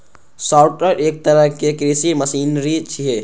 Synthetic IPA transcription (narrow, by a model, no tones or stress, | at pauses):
saːʊʈəɾeːk̚t̪ɐɾəɦkekɾiːsimɐsiːnɾit͡ʃʰiɦe